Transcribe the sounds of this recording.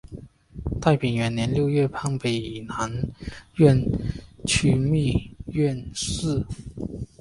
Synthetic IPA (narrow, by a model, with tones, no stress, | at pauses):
t̪a˥˩ɪpi˨˩ŋɥɛ˧˥nnjɛ˧˥nljo˥˧ʊɥɛ˥˧pʰa˥ŋpe˨˩ɪi˨˩na˧˥nɥɛ˥˧˨nt͡ɕʰy˥mi˥˧ɥɛ˥˧nsɹ̩˥˩